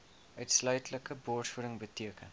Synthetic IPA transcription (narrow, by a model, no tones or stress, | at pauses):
ʔœɥtslœɥtləkəbɔːrtfuəɾəŋbətiəkən